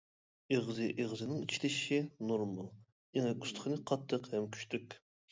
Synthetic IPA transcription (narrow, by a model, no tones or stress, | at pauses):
eʁzɨʔeʁzɨnɪŋit͡ʃʰi̥lɪʃinuɾmɑlˠ | eŋɛkust̪ʰə̥χnɨqʰɑt̪ʰːəqhɛmkʲʰy̥ʃt̪ʰykʲ